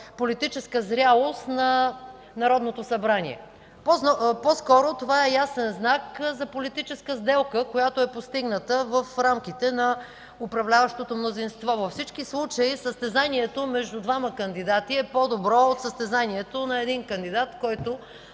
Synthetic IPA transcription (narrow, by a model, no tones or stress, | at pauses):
polit̪it͡ʃɛskəzɾʲjalˠost̪nɐ | nɐɾɔd̪not̪osɐbɾanḭɛ̰ | p̪pɔskɔɾot̪ovaɛjasɛnznakzɐpolit̪it͡ʃɛskəzd̪ɛlˠkəkojat̪oɛpost̪iɡnət̪əvəfɾamk̟it̪ɛnɐ | ʊpɾɐvlʲavəʃt̪ot̪omnozinst̪vɔvɐfsit͡ʃkislˠut͡ʃəisəst̪ɛzaniɛt̪omɛʒd̪ʊd̪vaməkənd̪id̪at̪iɛpɔd̪obɾɔot̪səst̪ɛzaniɛt̪onɐɛd̪inkənd̪id̪at̪kɔjt̪o